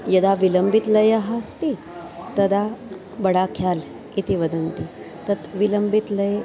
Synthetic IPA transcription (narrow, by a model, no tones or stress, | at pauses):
jɐd̪aʋiləmbit̪lɐjəɦəst̪i | t̪ɐd̪a | bɐɽakʰjal | it̪iʋəd̪ənt̪i | t̪ɐt̪ʋiləmbit̪ləje